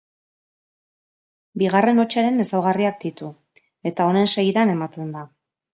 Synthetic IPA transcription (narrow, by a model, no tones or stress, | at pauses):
biɣ̞are̞no̞t͡ʃaɾe̞ne̞sawɣ̞ariak̚d̪it̪u | e̞t̪ao̞ne̞nse̞jðane̞mat̪e̞nd̪a